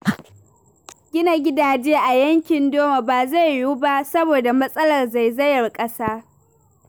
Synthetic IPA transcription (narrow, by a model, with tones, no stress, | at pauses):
ɡʲɪ˦na˨ɡʲɪ˦daː˨d͡ʒeː˦ʔa˨jɐ˦ŋkʲɪ˨ndoː˦ma˨baː˨za˦˨jːuː˦ba˦sɐ˦boː˨da˨mɐ˦sʼɐ˦lɐ˨rza˨jzɐ˦jɐ˨rkʼɐ˦saː˦